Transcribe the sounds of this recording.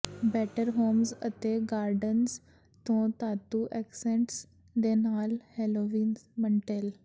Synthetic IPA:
bɛʈəɾɦomsə̰t̪eɡaɾɖəns | t̪õt̪at̪uʔɛksẽɳʈs | d̪ɛnalheloʋiːnməɳʈel

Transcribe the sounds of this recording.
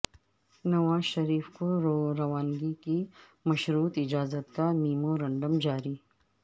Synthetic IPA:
nɐʋaːzʃɐɾiːfkoɾɐʋaːnɡiki | mɐʃɾuːt̪ɪd͡ʒaːzət̪kamiːmoɾɐ̃ɳɖəmd͡ʒaːɾiː

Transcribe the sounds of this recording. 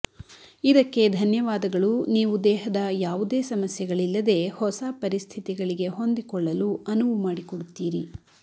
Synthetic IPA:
id̪ɐkːe̞d̪ʱɐnjɐʋaːd̪ɐɡɐɭuniːʋud̪ɛːɦɐd̪ɐjaːʋud̪eːsɐmɐsjɛɡɐɭilːɐd̪e̞hɔsapɐɾist̪ʰit̪iɡɐɭiɡe̞ɦo̞nd̪ikɔɭːɐluɐnuʋumaːɽikɔɽut̪ːiːɾi

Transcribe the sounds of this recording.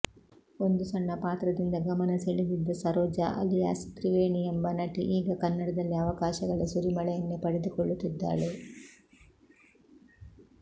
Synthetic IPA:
ond̪usɐɳːɐpaːt̪ɾɐd̪ind̪ɐɡɐmɐnɐseɭid̪id̪ːɐsɐɾɔːd͡ʒɐʔɐ̰lija̰ːsi̥t̪ɾiʋeːɳiembɐnɐʈḭʔiːɡɐkɐnːɐɽɐd̪ɐlːiɐʋɐkaːʃɐɡɐɭɐsuɾimɐɭɐjɐnːepɐɽed̪ukɔɭːut̪ːid̪ːa̰ːɭe

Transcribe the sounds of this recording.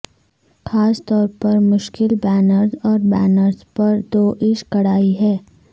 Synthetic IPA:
xʰaːst̪ɔːɾpɐɾmʊʃkɪlbɛːnəɾzɔːɾbɛːnəɾzpɐɾd̪oːʔɪʃkɐɽ̤aːiɦɛː

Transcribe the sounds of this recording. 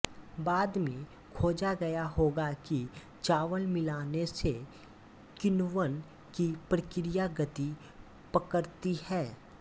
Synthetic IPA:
baːd̪mẽ | kʰoːd͡ʒaɡɐjaɦoːɡaki | t͡ʃaːʋəlmɪlaːnese | kɪnʋən | kipɾəkɪɾijaɡət̪i | pəkəɾt̪ihɛː

